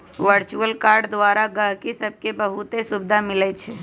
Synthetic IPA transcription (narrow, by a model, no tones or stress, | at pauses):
ʋəɾt͡ʃuəlkaɾɖd̪ʋaɾaɡəɦkisəb̚ʱkebəɦut̪esubd̪ʱamilɛt͡ʃʰɛ